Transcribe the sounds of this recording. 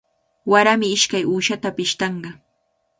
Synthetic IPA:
waɾamɪɪʃkajuːʃat̪apɪʃt̪ɑɴɢɑ

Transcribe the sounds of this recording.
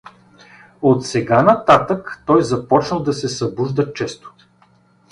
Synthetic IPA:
ot̪sɛɡanɐt̪at̪əkt̪ɔjzɐpɔt͡ʃnəlˠd̪ɐsɛsɐbuʒd̪ət͡ʃɛst̪o̥

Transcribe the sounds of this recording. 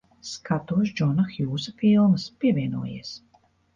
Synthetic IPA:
skat̪uɔʃd͡ʒɔnaxjuːsafilˠmɨspiɛvʲiɛnṵɔjḭɛs

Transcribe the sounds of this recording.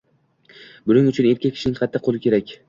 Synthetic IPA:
bʊnɪŋʊt͡ʃʰʊne̞ɾkʲakʲʰːɪ̥ʃɪnɪŋqʰɑt̪ʰːɪqʰːolɪkʲʰe̞ɾakʲ

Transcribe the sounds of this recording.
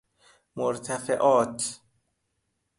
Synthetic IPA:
moɾt̪ʰæfḛʔɒːt̪ʰ

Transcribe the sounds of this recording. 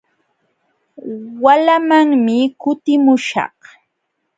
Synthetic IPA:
walamaŋmɪkʊt̪ɪmʊʃɑ̰χ

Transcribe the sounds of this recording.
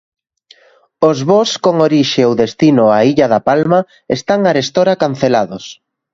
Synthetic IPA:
ozβoskoŋoɾiʃeowðest̪inʊaiʎaðɐpalmɐ | est̪aŋaɾest̪oɾakan̟θelaðʊs

